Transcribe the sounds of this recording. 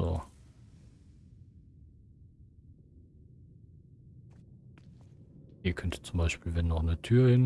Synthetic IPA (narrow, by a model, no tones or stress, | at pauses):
o̰ː | iːɐkʰœntʰə̥t͡sʊmbaɪʃpiːlvɛnːɔχnətʰyːɐhɪn